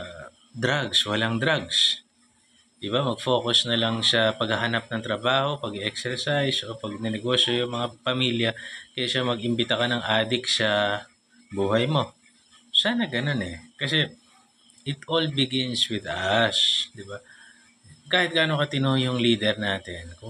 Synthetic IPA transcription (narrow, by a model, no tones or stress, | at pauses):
d̪ɾaɡswɐlaŋd̪ɾaɡs | d̪̥ɪbamɐɡ̚fo̞ːkosnɐlɐŋsɐpɐɡhɐɦɐnap̚nɐŋt̪ɾɐbaːho̞pɐɡɪʔɛksɛɹsajsʔo̞pɐɡ̚nɛnɛɡo̞ːsjojʊŋmɐŋapɐmiːljɐkɐjaʃamɐɡʔɪmbɪt̪akɐnɐŋʔaːd̪ɪksɐ | buːɦɐjmo̞ | saːnɐɡɐno̞nɛkɐsɛ | ʔɪt̪olbɪɡɪnswɪd̪ɐsd̪ɪba | kaːhɪt̪̚ɡaːnokɐt̪ɪnojʊŋliːd̪ɛɾnaːt̪ɪnkʊ